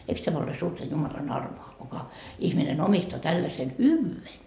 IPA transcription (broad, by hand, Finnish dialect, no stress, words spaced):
eiks tæmæ ole suːrtɑ jumɑlɑn ɑrmoɑ kukɑ ihminen omistoɑ tælːɑsen hyʋːyːen